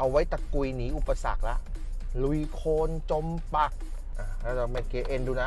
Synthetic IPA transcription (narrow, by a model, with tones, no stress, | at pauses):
ʔa˧wa˦˥jt̪a˨˩ku˧jniː˦˥ʔu˨˩pːa˧sa̰˨˩k̚la˦˥ʔlu˧˩jkʰoː˧nt͡ɕo˧mpa˨˧˩k̚ | ʔaː˨˩aː˦˥˩a˧ma˧˩keː˧ʔe˧nduː˧naː˧